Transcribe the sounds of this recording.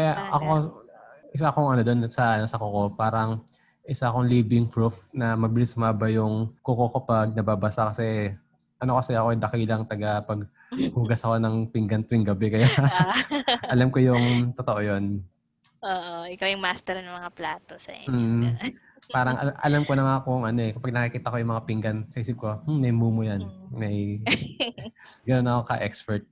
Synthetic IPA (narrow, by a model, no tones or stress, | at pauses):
kɐjaʔɐko | ʔɪsakoŋʔɐno̞d̪o̞nsɐnɐsɐkoko̞paːɾɐŋ | ʔɪsaɐko̞ŋliːbɪŋfɹufnɐmɐbɪlɪsʊmaːbɐjʊŋkokokopɐɡ̚nɐbaːbɐsakɐsɛ | ʔɐno̞kɐsɛɐko̞ʔɐjd̪ɐkilɐŋt̪ɐɡapɐɡ̚ | huːɡɐsɐko̞nɐŋpɪŋɡɐnt̪wɪŋɡɐbɛkɐja | ɐlamkojʊŋt̪ot̪oʔojo̞n | ʔoːʔoɪkawjʊŋmaːst̪ɛɾnɐmɐŋaplaːt̪osɐ̰ | paːɾɐŋɐ̰ʔɐ̰lamko̞nɐŋakoŋʔɐno̞ɛkɐpɐɡ̚nɐkikiːt̪ɐko̞jʊŋmɐŋapɪŋɡɐnsɐhiːsɪp̚ko̞m̩mɐjmuːmojanmɐj | ɡɐno̞nɐko̞kɐʔɛkspɛɹt̪̚